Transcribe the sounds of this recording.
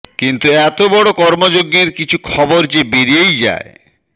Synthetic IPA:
kint̪uɛt̪obɔɽokɔɾmod͡ʑoɡːeɾkit͡ɕʰukʰɔboɾd͡ʑebeɾiejd͡ʑa̰e

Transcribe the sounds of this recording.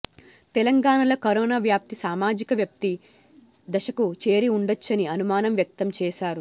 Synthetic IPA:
t̪ɛlɐŋɡaːɳɐlɐkɐɾɔːnaːʋjaːp̚t̪isaːmaːd͡ʒikɐʋjɐp̚t̪i | d̪ɐʃɐkut͡ʃe̞ːɾiuɳɖɐt͡ʃːɐniɐnumaːnɐmjɐk̚t̪ɐmt͡ʃɛːʃaːɾu

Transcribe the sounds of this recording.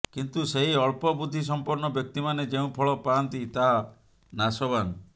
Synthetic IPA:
kint̪useɦiɔɭpɔbud̪ʱːis̬ɔmpuɾɳɔbjɔk̚t̪imaned͡ʒeũpʰɔɭɔpant̪it̪aɦa | nasɔbani

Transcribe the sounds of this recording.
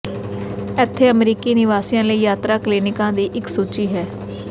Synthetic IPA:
ɛːt̪ʰːeːəmɾiːkiːnɪʋaːsɪjãːləiːjaːt̪ɾaːklɪːnɪkãːd̪iːʔɪksuːt͡ʃiːɦɛː

